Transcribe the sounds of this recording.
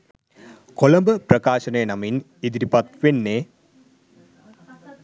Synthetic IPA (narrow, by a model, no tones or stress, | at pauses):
kolɐmbəprɐkaːʃənəjənamin | id̪iɾipɐt̪ʋenːeː